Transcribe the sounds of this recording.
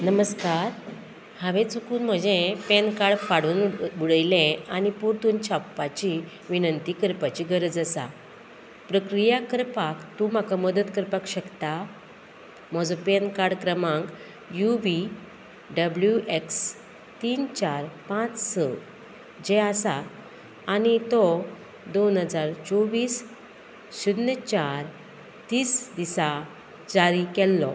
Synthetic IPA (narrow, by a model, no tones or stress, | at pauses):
nəməskaɾ | hãʋẽt͡sukuːnm̤əd͡ʑẽpenkaɽfaɽuːnbuɽəjlẽanipuɾt̪uːnt͡ɕʰapːat͡ɕi | ʋinənt̪iːkəɾpat͡ɕiːɡʱəɾəd͡zəsa̰ | pɾəkɾijakəɾpakt̪ũm̤akaməd̪ət̪kəɾpakɕəkt̪a | m̤ɔd͡zõpenkaɽkɾəmãŋk | juʋi | ɖəbljuʔeks | t̪iːnt͡ɕaɾpãt͡ssɔ | d͡ʑɛasaː | nit̪ɔ | d̪onɦəd͡zaɾt͡sɔʋiːs | ɕud̪nət͡ɕaɾ | t̪iːsd̪isa | d͡zaɾikɛlːɔ̰